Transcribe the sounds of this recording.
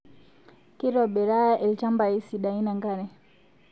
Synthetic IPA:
kiɾɔɓɛɾaaʔɛlt͡ʃambaisiɗainaŋɡanɛ

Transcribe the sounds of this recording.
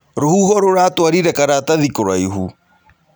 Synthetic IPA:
ɾohuhɔɾoɾatwaɾiɾɛkaɾataðikoɾaiɦṵ

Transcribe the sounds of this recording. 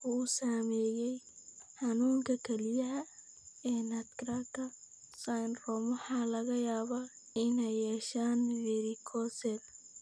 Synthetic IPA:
ʊːsaːmɛːjɛjħɑnuːŋkʰɐkʰɛlɪjɐɦɐ | ɛːnɐt̪krakʰɐ | sajnrɔmwɑħɑːlɐɣɐjaːβaː | ɪnɛjːɛːʃaːnvɛɾɪkʰɔsɛl

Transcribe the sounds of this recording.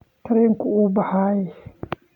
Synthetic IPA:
taɾeŋkuʔubahaːji

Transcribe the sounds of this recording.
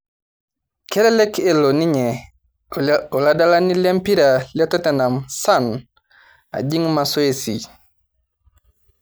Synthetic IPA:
kelelekeloniɲe | oladalanilempiɾaliatotenamsan | a̰ɟiŋmasoesi

